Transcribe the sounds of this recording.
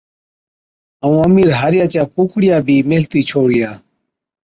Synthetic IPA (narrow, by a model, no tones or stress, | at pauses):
əũːəmiːɾɦaːɾɪjaːt͡ʃaːkuːkɽɪjaːbʱiːmeːlt̪iːt͡ʃʰoːɽɪjaː